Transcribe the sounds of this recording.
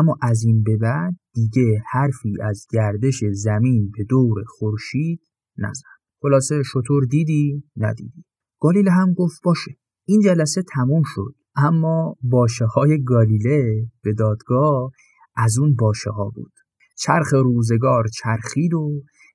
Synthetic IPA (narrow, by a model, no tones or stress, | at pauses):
ʔæmːɒːʔæziːnbe̞bæd̪̥̚ːiɟe̞hæɾfiːʔæzɟæɾd̪e̞ʃe̞zæmiːnbe̞d̪oːɾe̞xoɾʃiːd̪̥̚ | næ̰zæn | χo̞lɒːse̞ʃo̞t̪ʰoɾd̪iːd̪iːnæ̰d̪ḭːd̪i | ɡ̥ɒːlileɦæmɡoft̪bɒːʃe | ʔiːnd͡ʒælæse̞t̪ʰæmuːmʃo̞̰d̪̥ʔæmːɒːbɒːʃehɒːje̞ɡɒːlileb̥e̞d̪ɒːd̪ɡɒːh | ʔæzunbɒːʃehɒːbṵːd̪̥ | t͡ʃʰæɾxe̞ɾuːze̞ɡɒːɾt͡ʃʰæɾxiːd̪o